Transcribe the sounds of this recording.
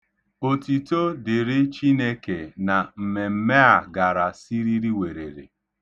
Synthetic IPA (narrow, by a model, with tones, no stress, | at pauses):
o˨ti˨to˦dɪ˨ɾɪ˦t͡ʃi˦ne˦ke˨na˨m̩˨me˨m̩˦me˦a˨ɡa˨ɾa˨si˦ɾi˦ɾi˦we˨ɾḛ˨ɾḛ˨